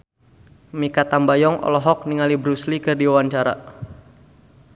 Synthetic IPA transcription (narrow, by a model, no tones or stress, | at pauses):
mikat̪ambajɔŋʔɔ̰lɔɦɔk̚niŋalibɾuslikɨrdiawaɲt͡ʃaɾa̰